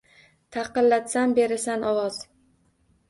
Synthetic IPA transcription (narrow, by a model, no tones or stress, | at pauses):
t̪ʰɑqɨlːat̪sambe̞ɾɪsanʔɒwɒz̥